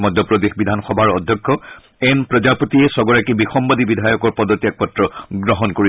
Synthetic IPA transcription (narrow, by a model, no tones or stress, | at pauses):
mɔd̪ʱːɔpɹɔd̪exbid̪ʱanxɔbʱaɹɔd̪ʱjɔkʰːɔ | ɛnpɹɔd͡ʒapotiɛsɔɡɔɹakibixɔmbadibidʱajɔkɔɹpɔd̪ɔtijak̚pɔtɹɔɡɹɔɦɔnkoɹi